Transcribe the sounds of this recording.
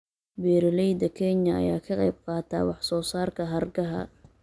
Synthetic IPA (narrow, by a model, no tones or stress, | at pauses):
bɛːɾɪlɛjd̪ɐkʰɛɲɐɐ̰ja̰ːkʰɐqɑjb̚qɑːt̪ʰa̰ːwɑħsɔːsaːrkʰɐɦɐrɡɐɦɐ̰